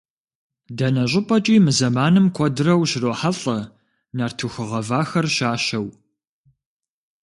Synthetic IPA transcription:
dɐnɐɕʼɪpʼɐt͡ʃʼiːmɨzɐmaːnɨmkʷʰɔdɨrɐwɕroːħaɬʼɐ | nartʰuxɨʁɐvaːxɐrʃaːɕɐw

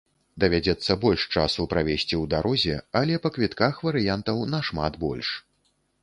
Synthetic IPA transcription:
d̪ɐvʲad͡zʲɛt̪sːɐbɔlʲʂt͡ʂasupɾavʲesʲt͡sʲiwd̪aɾʔɔzʲɛɐlʲɛpɐkvʲit̪kaxvɐɾɨjant̪ɐwnɐʂma̰d̪bɔ̰lʲʂ

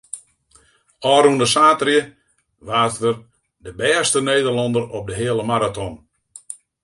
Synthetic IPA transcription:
ɔːɾundəsaːtrjə | ʋaːtər | dəbɛːstəneːdərlɑndərɔp̚dəɦɪəlˠəmaɾatʰɔn

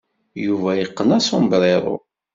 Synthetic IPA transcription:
juvæjəqːənæsombɾeðˤo̰

